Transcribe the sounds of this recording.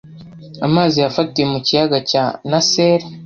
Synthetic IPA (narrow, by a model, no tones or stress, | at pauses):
amaːzijafatiemucijaɡacanase̞ːɾa